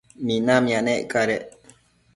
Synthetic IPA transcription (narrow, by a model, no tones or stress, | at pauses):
minamjaneʔkaɾeʔ